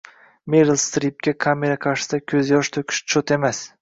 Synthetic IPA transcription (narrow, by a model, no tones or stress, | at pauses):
meɾɪlˠst̪ɾip̚kʲakʰame̞ɾaqʰɑɾʃɪ̥sɪd̪akʲʰɵzjɒʃt̪ʰɵkʲʰɪ̥ʃt͡ʃʰot̪e̞mas